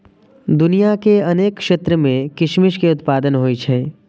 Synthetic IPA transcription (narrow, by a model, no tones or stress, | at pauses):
d̪ʊnijakeɐneːkkʃeːt̪ɾəmẽkɪʃmɪʃkeʊt̪paːd̪ənɦoːit͡ʃʰɛː